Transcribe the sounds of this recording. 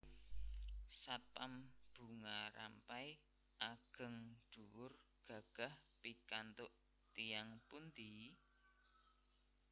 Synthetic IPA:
sat̪amb̥ṳŋaɾa̰mpaj | ʔaɡ̥ə̤ŋd̪̥ṳwʊrɡ̥ä̤ɡ̥a̤hpikant̪ʊʔ | t̪ijaŋpund̪i

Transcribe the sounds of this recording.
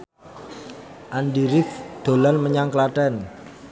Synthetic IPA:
ʔanɖiɾɪfd̪̥o̤lanməɲaŋklaʈɛn

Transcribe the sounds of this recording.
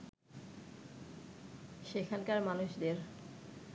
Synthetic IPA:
ʃekʰalkaɾmanuʃd̪eɾ

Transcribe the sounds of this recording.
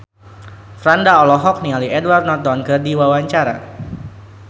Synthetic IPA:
fɾandaɔlɔɦɔk̚nialiɛdward̪nɔt̪ɔnkərdiwawaɲt͡ʃaɾa̰

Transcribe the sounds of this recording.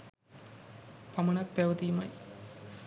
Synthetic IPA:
pɐmɐnɐkpɛʋɐt̪ijmɐj

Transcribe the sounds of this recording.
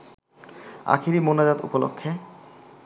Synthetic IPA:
a̰kʰiɾimonad͡ʑad̪ṵpolo̰kʰːe

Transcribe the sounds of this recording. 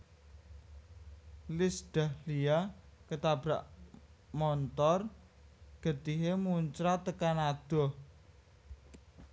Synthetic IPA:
lɪsɖ̪̥a̤hlijakət̪ab̥ɾaʔmɔnt̪ɔr | ɡ̥ə̤t̪iɦemuɲt͡ʃɾat̪əkanad̪̥ɔ̤

